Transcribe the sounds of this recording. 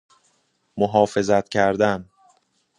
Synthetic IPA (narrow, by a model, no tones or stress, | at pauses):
moɦɒːfe̞zæt̪̚ʰcʰæɾd̪æn